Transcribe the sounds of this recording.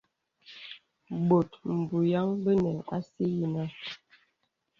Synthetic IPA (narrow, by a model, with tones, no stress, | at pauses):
bo˨tm̩˨bu˨ja˦ŋbə˦nɛ˨ʔa˦si˦ji˦na˦